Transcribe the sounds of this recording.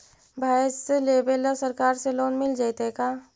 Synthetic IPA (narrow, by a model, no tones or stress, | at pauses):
bʱaːsleːbelɔsɐɾkaːɾseloːnmɪld͡ʒajt̪ekaː